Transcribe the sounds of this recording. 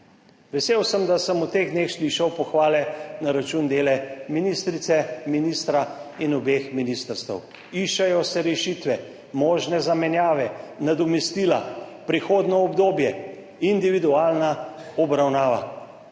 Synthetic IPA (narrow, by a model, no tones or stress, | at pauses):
ʋɛseːwsəmd̪asəmut̪eːɣd̪neːxsliʃawpɔxʋaːlɛnaɾat͡ʃuːnd̪eːlɛminist̪ɾit̪sɛminist̪ɾainɔbeːxminist̪əɾst̪ɛ̰w | iʃɛjɔsɛɾɛʃiːt̪ʋɛ | mɔːʒnɛzamɛnjaːʋɛnad̪ɔmɛst̪iːlapɾixoːd̪nɔːbd̪oːbjɛ | ind̪iʋid̪uaːlnaɔbɾawnaːʋa̰